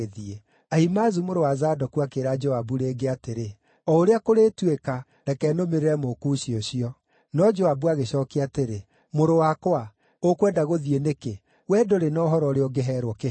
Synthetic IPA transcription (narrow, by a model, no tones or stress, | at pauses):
eðie | aimazumoɾowazaːdɔkuakeɾad͡ʒɔabuɾeːɡeateɾe | ɔoɾeakoɾeːtweka | ɾɛkɛnomeɾeɾɛmokuɕioɕiɔ | nɔd͡ʒɔabuaɣeɕɔkeateɾe | moɾowakwa | okwɛdaɣoðieneke | wɛdoɾenɔoɦɔɾɔɾeɔɡeɦɛɾwɔke